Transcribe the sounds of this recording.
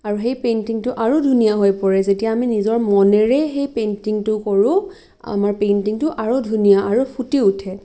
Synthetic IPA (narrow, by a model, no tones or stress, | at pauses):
aɹuxejpentiŋtʊʔaɹudʱunijaɦojpɔɹɛzetijaːminizɔɹmɔnɛɹɛxejpentiŋtʊkɔɹʊ̃ | a̰maɹpentiŋtʊʔaɹudʱunijaaɹupʰutiutʰɛ